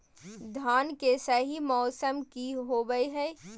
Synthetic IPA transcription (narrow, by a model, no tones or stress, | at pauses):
d̪ʱaːnkesɐɦimɔːsəmkiɦoɡəiɦɛː